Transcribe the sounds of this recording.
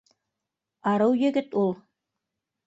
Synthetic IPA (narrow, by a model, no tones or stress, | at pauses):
ɑɾɤwjɘ̆ɡɘt̪ulˠ